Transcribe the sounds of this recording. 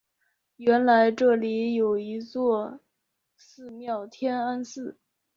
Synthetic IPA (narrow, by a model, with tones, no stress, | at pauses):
ɥɛ˧˥nla˧˥ɪʈ͡ʂɤ˥˩li˧˥jo˨˩ʊi˧˥t͡swɔ˥˧ | sɹ̩˥˧mjɑ˥˩ʊt̪ʰjɛ˥na˥nsɹ̩˥˩